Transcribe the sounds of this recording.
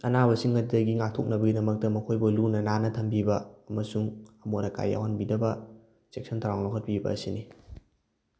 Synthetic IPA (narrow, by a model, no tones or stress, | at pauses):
ɐnaβɐsiŋːɐtidɐɡiŋak̚tʰok̚nɐbɐɡidɐmɐk̚tɐmɐkʰojbɐlunɐnanɐtʰɐmbibɐɐmɐsuŋɐmonɐka̰jːa̰wɦanbidɐbɐ | sek̚sʰɐntʰaɾaŋlokʰɐt̚pibɐ̰ːsini